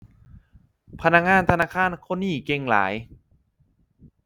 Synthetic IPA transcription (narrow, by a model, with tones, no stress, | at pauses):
pʰa˧na˧˥k̚ŋaː˧˥˨nt̪ʰa˧naː˧˥˩kʰaː˧˥˨nkʰo˧˥˨niː˧˩ke˧ŋla̰ː˩˦j